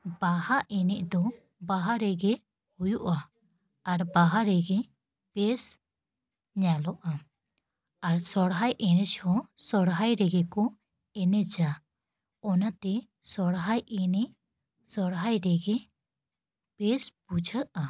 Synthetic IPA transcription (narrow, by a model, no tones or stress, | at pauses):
bahaʔɛnɛʔd̪ɔ | baɦaɾɛɡɛ | hujuʔa | aɾbaɦaɾɛɡɛ | pɛs | ɲalɔʔa | aɾsɔɽɦajʔɛnɛt͡ʃhɔsɔɽɦajɾɛɡɛkɔ | ɛnɛd͡ʒa | ɔnat̪ɛ | sɔɽɦajʔɛnɛʔ | sɔɽɦajɾɛɡɛ | pɛspud͡ʒʱəʔa